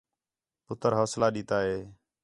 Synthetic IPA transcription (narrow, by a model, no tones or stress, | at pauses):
pʊt̪əɾɦaːslaːɗiːt̪aːɦeː